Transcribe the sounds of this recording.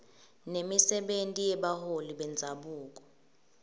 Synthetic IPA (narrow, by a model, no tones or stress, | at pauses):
nemisɛɓentʼijɛɓaholiɓɛnd͡zʱaɓuːk̬ʼɔ̥